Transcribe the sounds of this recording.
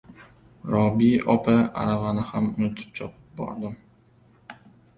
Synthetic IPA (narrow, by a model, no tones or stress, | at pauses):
ɾɒbiɒpʰaa̰ɾavanɪhamʊnɪt̪ʰɪ̥p̚t͡ʃʰɒpʰɪ̥p̚bɒ̰ɾd̪ɪm